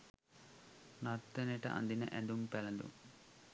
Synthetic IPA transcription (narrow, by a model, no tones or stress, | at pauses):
nɐɾt̪ːeneʈɐ̰ʔɐ̰nd̪inɐ̰ʔend̪umpɛlɐnd̪ṵ